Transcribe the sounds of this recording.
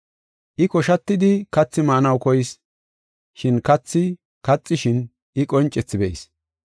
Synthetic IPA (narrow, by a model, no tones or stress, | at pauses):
ʔɪkɔʃɐt̪ːɪd̪ɪkɐt͡sːɪmɐʔnɐwkɔjɪs | ʃɪnkɐt͡sːɪ | kɐt͡sʼːɪʃɪn | ʔɪkʼɔnt͡ʃʼɛt͡sːɪbɛɪs